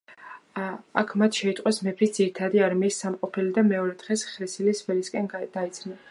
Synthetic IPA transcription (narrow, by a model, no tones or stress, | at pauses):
akʰmat̪ʰʃɛit̪ʼqʼwɛsmɛpʰɾisd̪ziɾit̪ʰad̪iaɾmiːsːamqʼɔpʰɛlid̪amɛɔɾɛt̪ʁɛsχɾɛsilisvɛliskʼɛnd̪̥ait̪sʰna